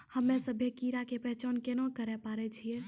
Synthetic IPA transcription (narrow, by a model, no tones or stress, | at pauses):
həmːẽsəbʱekiɾakepəɦt͡ʃankenakəɾɛpaːɾɛt͡ʃʰie